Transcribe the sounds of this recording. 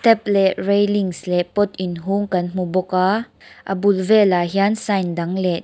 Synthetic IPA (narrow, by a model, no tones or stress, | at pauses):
t̪ɛp̚lɛʔrejliŋslɛʔpɔt̪inɦuŋkɐnm̥ubɔka | ʔə̰bulvɛlaɦiansajndɐŋlɛ